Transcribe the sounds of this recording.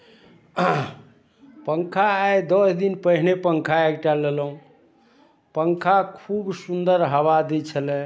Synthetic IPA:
pəŋkʰaːjd̪ɔsd̪inpəɦnepəŋkʰaekʈalelɦũ | pəŋkʰakʰubsund̪əɾɦəβad̪et͡ʃʰəlɛ

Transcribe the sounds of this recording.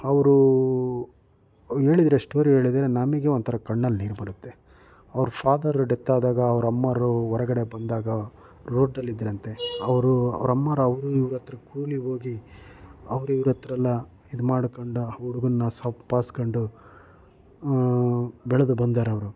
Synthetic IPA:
ɐʋɾu | e̞ːɭid̪ɐɾeeʂʈoɾiɦe̞ːɭid̪ɐɾenaːmiːɡeont̪ʰɐɾɐkɐɳːɐlːniːɾbɐɾut̪ːe̞ | ɐʋɾupʰaːd̪ɐɾɖet̪ːaːd̪aːɡɐːʋɐɾɐmːaːɾuɔɾɐɡɐɽebɐnd̪aːɡɐ | ɾoːɖɐlːid̪ɾɐnt̪e̞ɐʋɾuɐ̰ʋɾɐmːaːɾɐʋɐɾuiʋɾɐt̪ɾɐkuːliɦo̞ːɡi | ɐʋɾuiʋɾɐt̪ɾɐlːɐ | id̪umaːɽkoɳɖuuɽuɡɐnːɐsɐpaːskoɳɖu | bɛɭɐd̪ubɐnd̪aːɾeɐʋɐɾu

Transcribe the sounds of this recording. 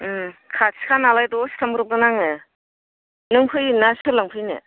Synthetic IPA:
kʰaskʰanalajdɔskʰambɯɾɯp̚ɡɯnaŋe | nɯŋpʰɯjnasʰɯlaŋpʰɯjnḛ

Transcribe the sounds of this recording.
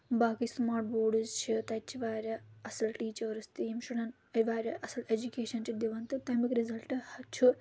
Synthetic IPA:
baːkismaːʈ̚boːɖɨzt͡ʃɨt̪ɐt͡ʃːiʋaːɾɐɐsɐlʈiːt͡ʃɐːɾɨst̪iimʃuɽɐn | ɐʋaːɾɐʔɐsɐled͡ʒukʲeːʃɐnt͡ʃid̪iʋɐnt̪ɨt̪ɐjmɐkɾizɐlʈɨhɐt͡ʃʰu

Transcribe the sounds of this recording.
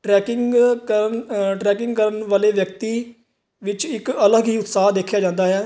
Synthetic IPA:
ʈɾɛːkɪŋkəɾənʈɾɛːkɪ̃ŋɡkəɾəɳʋaːleːʋjək̚t̪iː | ʋɪt͡ʃɪkələɡɦiːʊt̪saːɦd̪eːkʰjaːd͡ʒãːnd̪aːɦɛː

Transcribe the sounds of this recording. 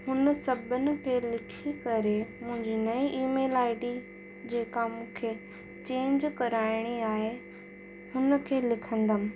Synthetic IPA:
ɦʊnə̆sɐbʱənɪ̆kʰelɪkʰikɐɾemʊ̃ɦɪ̃ɲd͡ʑinɐiʔiːmeːlaːɪɖi | d͡ʑeːkamũːkʰe | t͡ɕẽːɲd͡ʑkɐɾaːɪɽ̃iaːɦe | hʊnə̆kʰeːlɪkʰə̃nd̪əmɪ

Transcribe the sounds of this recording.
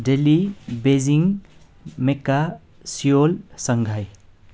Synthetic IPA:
delibeziŋ | meka | sijolsʌŋɡʱaj

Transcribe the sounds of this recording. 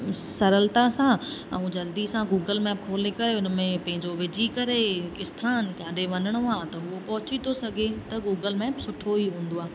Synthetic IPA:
sɐɾəlt̪asãɐ̰ũd͡ʑɐld̪isãɡuːɡəlmɛːp̚kʰoːlekɐɾeʊnəmẽpɐ̃ɦɪ̃ɲd͡ʑoʋɪd͡ʑʱikɐɾekɪst̪ʰaːnkaːɗeʋɐnəɽ̃oaːt̪ɐɦʊopɐɦʊt͡ɕit̪ʰosɐɡʱet̪ɐɡuːɡəlmɛːpsʊʈʰːoiɦũːn̆d̪oaː

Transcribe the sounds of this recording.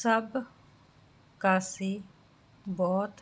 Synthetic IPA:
səb | kaːsi | bɔːt̪

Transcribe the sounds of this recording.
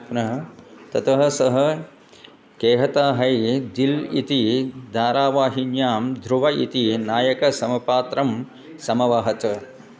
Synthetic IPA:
pnɐɦt̪ɐt̪ɐɦɐsɐɦɐ | keːɦɐt̪aːɦɐjd̪ilḭt̪id̪ʱaːɾaːʋaːɦinjaːmd̪ʱɾuʋɐʔḭt̪inaːjɐkɐsɐmɐpaːt̪ɾɐm | sɐmɐʋaːɦɐt̪ɐ

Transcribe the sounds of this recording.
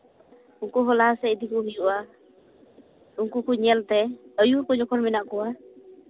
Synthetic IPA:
uŋkɔɦɔlasɛid̪ikɔɦujuʔa | unkukuɲɛlt̪ɛəjukɔd͡ʒɔkʰɔlminaʔkɔwa

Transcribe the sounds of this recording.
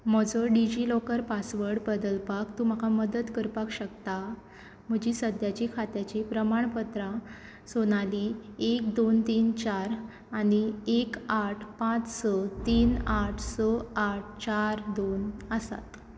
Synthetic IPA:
m̤əd͡zɔɖid͡ʑilɔkəɾpasʋəɾɽbəd̪əlpakt̪um̤akaməd̪ət̪kəɾpakɕəkt̪a | m̤əd͡ʑiːsəd̪jat͡ɕikʰat̪jat͡ɕiːpɾəmaɳ̃pət̪ɾa | sonaliːek̚d̪ont̪iːnt͡ɕaɾ | aɽ̃iekaʈʰpãt͡ssɔt̪iːnaʈʰsɔaʈʰt͡ɕaɾd̪onəsa̰t̪

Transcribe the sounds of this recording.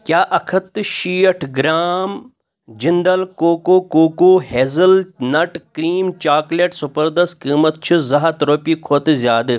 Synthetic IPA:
kʲjaːʔɐkʰɐt̪ːʃiːɐʈʰɡɾaːm | d͡ʒind̪ɐlkoːkoːkoːkoːɦeːzɐlnɐʈkɾiːmt͡ʃaːkleʈsupɐɾd̪ɐst̪̚kiːmɐt̪̚t͡ʃʰuzɐɦat̪ɾoːpiːkʰoːt̪ɨzjaːd̪ɨ

